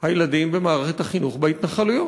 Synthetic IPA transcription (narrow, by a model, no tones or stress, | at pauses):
hajelad̪imbemaːʁeχet̪haχinuχbehit̪naχalujo